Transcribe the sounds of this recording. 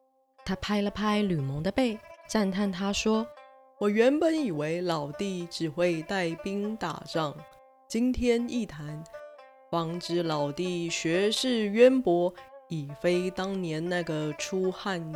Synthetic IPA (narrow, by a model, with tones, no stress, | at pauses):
t̪ʰa˥pʰa˥ɪlə˨pʰa˥ɪly˨˩mə˧˥ŋd̪ə˧pe˥˩ɪt͡sa˥˧nt̪ʰa˥˩nt̪ʰa˥ʂwɔ˥ | wɔ˨˩ɥɛ˧˥npə˨˦ni˨˩we˧˥ɪlɑ˨˩ʊt̪i˥˩ʈ͡ʂɻ̩˨˩xwe˥˧ɪt̪a˥˩ɪpi˥ŋt̪a̰˨˩ʈ͡ʂɑ˥˩ŋ | t͡ɕi˥nt̪ʰjɛ˥ni˥˩t̪ʰa˧˥n | fɑ˧˥ŋʈ͡ʂɻ̩˧˥lɑ˨˩ʊt̪i˥˩ɕɥɛ˧˥ʂɻ̩˥˩ɥɛ˥npwɔ˧˥i˨˩fe˥ɪt̪ɑ˥ŋnjɛ˧˥nna˥˩ɡə˩ʈ͡ʂʰu˥xa˥˧n